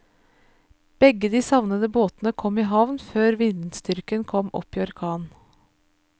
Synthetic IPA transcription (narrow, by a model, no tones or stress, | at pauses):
b̥ɛɡəd̪iːsɑʋnəd̪əboːt̪nəkʰɔmiːɦɑʋnføːɾʋɪnd̪n̩st̪ʏɾkənkʰɔmɔ̰pːiːɔɾkʰɑːn